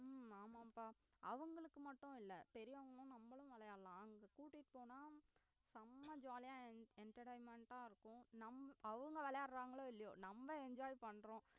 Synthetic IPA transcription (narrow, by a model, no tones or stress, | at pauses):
aːmaːpaː | ʔɐʋɐŋɡɐɭɯkːɯmɐʈːʊ̃ɪlːɐpɛɾɪjaːɐŋɡɐɭʊ̃nɐmbɐɭʊ̃ʋɛɭɐjaːlãːɐŋɡɐkuːʈːɪʈːɯ̥poːnaː | sɐmːɐd͡ʒaːlɐjãːɛɳʈɐʈɐɪmɛɳʈaːɪɾɯkːʊ̃nɐmɐʋɐŋɡɐʋɛɭɐjaːɾɾaːŋɡɐɭoːɪlːɐjo̰ːnɐmbɐɛɲd͡ʒaːjpɐɳːɾõ